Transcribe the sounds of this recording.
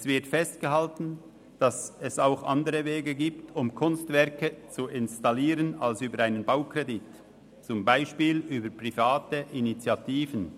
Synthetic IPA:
sv̥ɪɐtfɛst̚ɡ̥əɦaltn̩ | d̥ɑsɛsaʊxʔɑ̰ndəʁəveːɡəɡiːptʰʊmkʰʊnstvɛɐkət͡suʔɪnstaliːɾənalsyːbəɾaɪnənbaʊkʁ̥edɪt | t͡sʊmbaɪʃpiːlyːbəpʁ̥ifaːtəʔinit͡sjatiːvən

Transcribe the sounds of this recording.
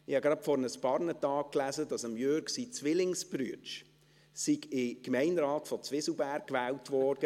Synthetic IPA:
ɪhɑɡɾɑpfɔɾənəspɑɾnətɑːk̚klæzədɑsəmjøɾksit͡sʋɪlɪŋsbɾyət͡ʃ | siɡɪkmɛɪnɾɑːtfɔt͡sʋɪslbæːɾk̚kːʋɛːltʋɔːɾd̥ə

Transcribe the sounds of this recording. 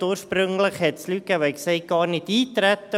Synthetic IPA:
uːʃprʏŋləχhɛtslyɡ̥ævəkseɪt̚ɡ̥ɑːɾnɪtiːtɾætːə

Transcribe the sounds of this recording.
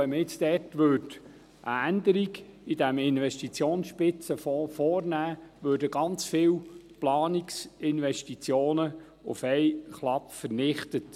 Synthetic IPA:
ɛməɪt͡sd̥̪ɛrtʋøːɾt | ʔə̰ænd̪əɾiɡid̥æmɪnʋɛʃtit͡sjoːnsʃpɪt͡səffɔːrnæːʋøːɾdəɡɑnt͡sfɪːwplɑːniksɪnʋɛʃtit͡sjoːnə | ʊ̰fɛɪjχlɑpfəɾnɪχtət

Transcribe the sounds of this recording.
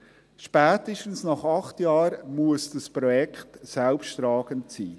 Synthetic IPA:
ʃpæːtəʃtn̩snɑχɑχtjɑːɾmuəsd̥əspɾɔjɛkχtsɛlpʃtɾɑːɡ̥əntsiː

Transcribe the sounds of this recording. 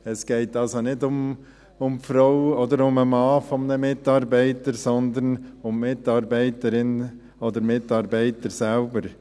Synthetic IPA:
ɛsɡ̥ɛɪtɑlsonɪdʊm | ʊmfɾɔʊɔd̪əɾʊməmɑːfɔmnəmɪtɑːɾbɛɪtəɾsɔnd̪ənʊmːɪtɑːɾbɛɪtəɾɪn | ɔd̪əɾmɪtɑːɾbɛɪtəɾsælbəɾ

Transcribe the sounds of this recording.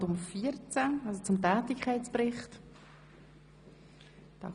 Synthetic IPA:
dʊmfiːəɾt͡saɑlsot͡sʊmtɛːtɪkʰaɪt͡sprɪχt | tɑ̰

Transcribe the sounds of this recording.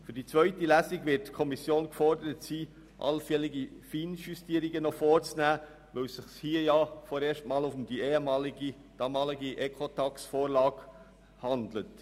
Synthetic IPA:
fyɾdit͡sʋœʏtilæsiɡʋɪtkʰɔmisjoːnkfɔɾdəɾətsiː | ʔɑ̰lfɛlɪɡifiːnʃystiːəɾiɡənɔfɔːrt͡snæː | ʋœsɪχshiːəjɑfɔːɾeːʃtmɑːlufmd̥ieːhəmɑːliɡi | d̥ɑːmɑːlɪɡiʔɛkʰotʰɑksfoːɾlɑːɡ̥ | hɑndlət

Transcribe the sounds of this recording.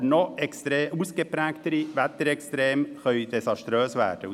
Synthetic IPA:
noːɛkst̪ɾeːusɡəpɾæːɡt̪əɾiʋæt̪əɾɛkst̪ɾeːmhœʏd̪ɛsɑʂt̪ɾøːsʋæ̰ːʈə

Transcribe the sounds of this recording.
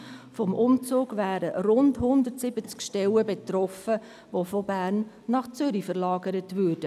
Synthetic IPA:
fɔmʔʊmt͡suːɡvæːɾəɾʊndhʊndərtsɪbət͡skʃtɛləbetɾɔfə | ʋofɔbæːrnː | ɑχt͡sʏɾifəɾlɑːɡəɾətvʏːrd̥ə

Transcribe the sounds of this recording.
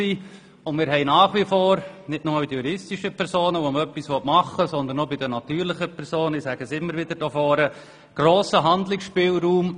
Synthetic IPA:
i | ʊnmɪːɾɦɛɪnaːχʋifoːɾnɪtnʊməbid̪təjuɾɪstiʃəpʰɛɾsoːnəʋoməœpːisʋɔtmɑχːəsɔnd̪ənɔbidənɑt̪yːɾlɪχəpʰɛɾsoːnɪsæɡ̥əsɪmːəɾʋɪd̥̪əɾd̥ɔːfɔːɾə | ɡ̥ɾoːsəɦɑnd̪lɪksʃpɪːlɾuːm

